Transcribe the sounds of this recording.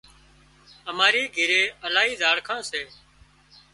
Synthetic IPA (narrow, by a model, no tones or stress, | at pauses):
əmaːɾiːɡʱiɾeːəlaːɦiːzaːɽkʰãːseː